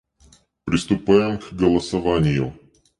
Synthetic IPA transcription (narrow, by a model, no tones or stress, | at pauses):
pɾʲɪst̪ʊpajɪmkɡəlˠəsɐvanʲɪjʊ̰